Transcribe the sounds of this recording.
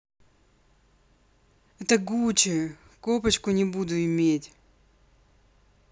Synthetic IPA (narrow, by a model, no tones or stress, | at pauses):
ɛt̪əɡut͡ɕɪ | kopət͡ɕkʊnʲɪbud̪ʊɪmʲetʲ